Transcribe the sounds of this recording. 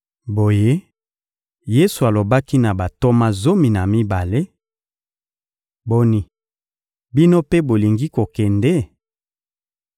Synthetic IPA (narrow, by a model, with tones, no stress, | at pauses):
bo˨je˦ | je˦su˨a˨lo˨ba˦ki˦na˨ba˨to˦ma˦zo˦mi˨na˨mi˦ba˨le˦ | bo˦ni˦ | bi˦no˦pe˦bo˨li˨ŋɡi˦ko˨kɛ˨nde˦